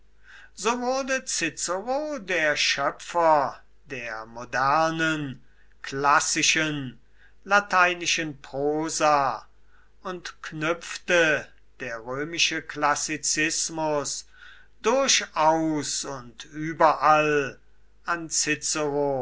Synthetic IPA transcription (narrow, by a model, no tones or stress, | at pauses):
z̥oːvʊɐdət͡sɪt͡səʁodeːɐʃœpfɐ | deːɐmodæʁnən | kʰlasɪʃən | latʰaɪnɪʃənpʁ̥oːza | ʊntknʏpftə | d̥eːɐʁøːmɪʃəklasɪt͡sɪsmʊs | d̥ʊɐʃaʊsʊntʰyːbɐʔal | ʔant͡sɪt͡səʁo